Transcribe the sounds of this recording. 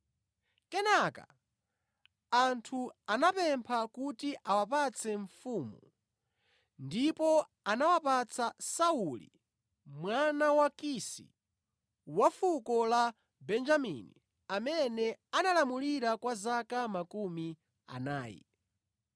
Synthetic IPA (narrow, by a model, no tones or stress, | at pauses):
kɛnaka̰ | antʰuanapɛmpʰakutiʔawapat͡sʰɛɱfuːmu | ndipɔ | anawapat͡sʰasaulḭ | mwanawakisḭ | wafukɔla | bɛnd͡ʒamḭni | amɛnɛanalamuliɾakwazakamakumi | a̰naːjḭ